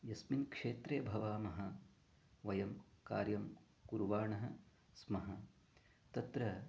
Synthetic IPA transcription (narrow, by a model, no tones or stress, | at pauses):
jɐsminkʂeːt̪ɾeːbʱɐʋaːmɐɦɐ | ʋɐjɐmka̰ːɾjɐm | kuɾuʋaːɳɐɦɐ | smɐɦɐ | t̪ɐt̪ɾɐ